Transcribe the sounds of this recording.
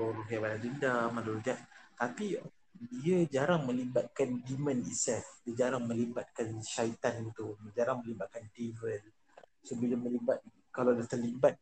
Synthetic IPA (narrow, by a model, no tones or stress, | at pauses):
oɾoɦiabanadəndamaluɾud͡ʒaʔt̪api | diad͡ʒaɾaŋmə̃libat̪̚kandimə̃nḭsɛfdiad͡ʒaɾaŋmə̃libat̪̚kanʃait̪anit̪uməd͡ʒaɾaŋmə̃libat̪̚kandivəl | səbəlamə̃libat̪̚ | kaladat̪ərlibat̪̚